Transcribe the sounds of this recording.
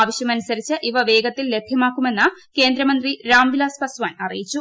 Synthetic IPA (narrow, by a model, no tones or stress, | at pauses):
aːʋɐɕjɐmɐnusɐɾit͡ɕːɨʔiʋɐʋe̞ːɡɐt̪ːille̞bʱjɐmaːkːume̞nːɐke̞ːnd̪ɾɐmɐnd̪riɾaːmʋilaːspɐsʋaːnɐrijit͡ɕːu